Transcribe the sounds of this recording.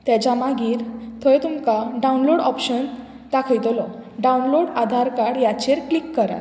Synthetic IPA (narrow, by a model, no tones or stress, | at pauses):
t̪jat͡ɕamaɡiːɾt̪ʰɔjet̪umkaɖaunloɽɔpɕən | d̪akʰəjt̪olɔɖaunloɽad̪ʱaɾkaɽjat͡ɕeɾklikːəɾa̰t̪